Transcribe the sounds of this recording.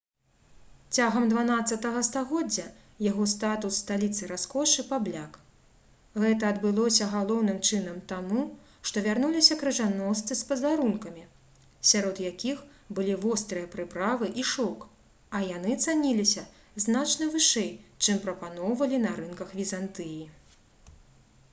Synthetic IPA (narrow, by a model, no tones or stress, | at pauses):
t͡sʲaɣɐmd̪vanat̪sːɐt̪ɐɣɐst̪aɣɔd͡zʲːɐ | jaɣɔst̪at̪usst̪alʲit̪sɨɾaskɔʂɨpablʲak | ɣɛt̪ɐːd̪bɨlˠɔsʲɐɣalˠɔwnɨmt͡ʂɨnɐmt̪amu | ʂt̪ɔvʲarnulʲisʲɐkɾɨʐanɔst̪sɨspɐzaɾunkɐmʲi | sʲaɾɔd̪jakʲix | bɨlʲivɔst̪ɾɨjɐpɾɨpɾavɨʔiʂɔk | ɐjanɨt̪sanʲilʲisʲɐ | znat͡ʂnɨvɨʂɛjt͡ʂɨmpɾɐpanɔwvɐlʲinɐɾɨnkɐxvʲizant̪ɨji